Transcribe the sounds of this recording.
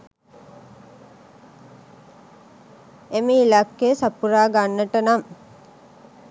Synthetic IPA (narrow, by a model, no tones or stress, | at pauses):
emiilakːesapuɾaːɡanːəʈənam